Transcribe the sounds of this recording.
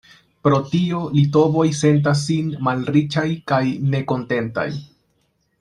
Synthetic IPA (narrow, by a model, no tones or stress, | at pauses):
pɾo̞tio̞lito̞bo̞jse̞nt̬as̬ːinmalɾit͡ʃajkajne̞ko̞nte̞nta̰j